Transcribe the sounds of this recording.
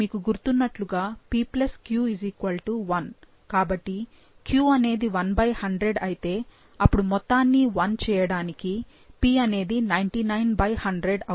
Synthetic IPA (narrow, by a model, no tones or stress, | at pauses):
miːkuɡuɾut̪unːɐʈluɡaːpiːplɐskjuːizikʋɐlʈuʋɐn | kaːbɐʈːi | kjuːɐne̞ːd̪iʋɐnbɐjhɐɳɖɾeɖɐjit̪e̞ː | ɐpːuɽumɔt̪ːaːnːiʋɐnt͡ʃɛːjɐɽaːniki | piːɐne̞ːd̪inɐjɳʈinɐjnbɐjhɐɳɖɾeɖɐ